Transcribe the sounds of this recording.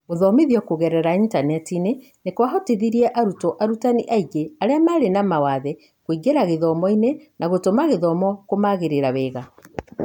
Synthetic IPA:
oðɔmeðiɔkoɣɛɾɛɾaintanɛtine | nekwaɦɔteðiɾiɛʔaɾutɔʔaɾutaniʔaiɡeaɾeamaɾenamawaðɛ | kwiɡeɾaɣeðɔmɔinenʔaɣotomaɣeðɔmɔkomaɣeɾeɾaβɛːɣa

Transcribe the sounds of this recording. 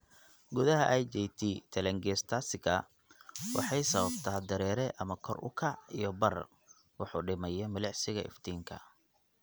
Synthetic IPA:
ɡʊðɐɦɐʔajd͡ʒɛjt̪ʰiːt̪ʰɐlɛŋɡɛːst̪ʰasɪɣɐ̰ | wɑ̰ħɑjsɐβɐbt̪ʰaːd̪ɐɾɛːɾɛʔɐmɐkʰɔrʔʊ̰kʰɑʕijɞbɐr | wɑħuːɖɪmɐjɐmɐlɛʕsɪɣɐɪ̰ft̪ʰiːŋkʰɐ̰

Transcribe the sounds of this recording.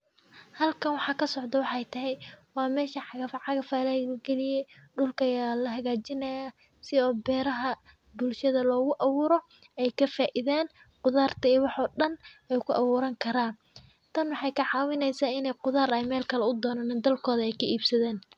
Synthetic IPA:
hɐlkʰɐnwɑħɑːkʰɐsɔʕd̪ɐwɑħɛjt̪ʰɐɦɛjwɑːmɛːʃɐħɑɣɐfʕɑɣɐfaːlɛɡɛlɪjɛɖʊlkʰɐjaːlɐɦɐɣaːt͡ʃɪnɐja | sɪɔːbɛːɾɐɦɐ | bʊlʃɐðɐlɔːɣʊʔɐβuːɾɔ | ɛjkʰɐfaːʔɪðaːn | qʊðaːrt̪ʰɐiwɑħɔːɗɐnɛjkʰʊʔɑβuːɾɐŋkʰɐɾaːn | t̪ʰɐnwɑħɑjkʰɐʕɑːwɪnɛjsaːɪnɛjqʊðaːɾɛjmɛːlkʰɐlɛʊd̪ɔːnaːnɪːnd̪ɐlkʰɔːðɐɛjkʰɐʔiːbsɐðɛːn

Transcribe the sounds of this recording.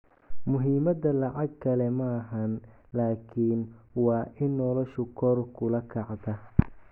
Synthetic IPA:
mʊɦiːmɐd̪ɐlɑʕɑɡ̚kʰɐlɛmɐːɦɐn | laːkʰiːnwɑːʔɪnːɔlɔʃʊkʰɔrkʰʊlɐkʰɐʕd̪ɐ

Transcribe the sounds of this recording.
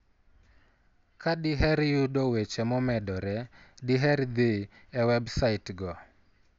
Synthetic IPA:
kʰaɗiɦɛɾjudɔwet͡ʃɛmɔmɛdɔɾɛdiɦɛɾd̪e | ɛwɛbsaitɡɔ

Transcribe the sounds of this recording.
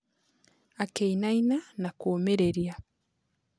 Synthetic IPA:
akeinainanakoːmeɾe̞ɾja

